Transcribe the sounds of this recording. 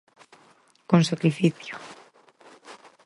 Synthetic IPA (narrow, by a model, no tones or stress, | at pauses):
konsakɾifiθjo